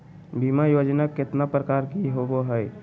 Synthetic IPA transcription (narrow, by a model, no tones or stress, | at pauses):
bimajod͡ʒnakːet̪napɾəkaɾɡiɦoboɦəj